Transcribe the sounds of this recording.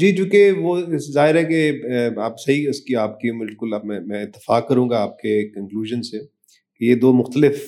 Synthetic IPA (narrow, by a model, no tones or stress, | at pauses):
d͡ʒiːd͡ʒõːkeʋoɪszaːɦɪɾɦɛkeaːpsɐɦiʊskiaːp̚kiũmɪlkʊlːmɛ̃mɛ̃ːɪt̪ːɪ̥faːkkːɐɾũːŋɡaaːp̚kekɐ̃ŋkluːʒənse | kejed̪oːmʊxt̪əlɪf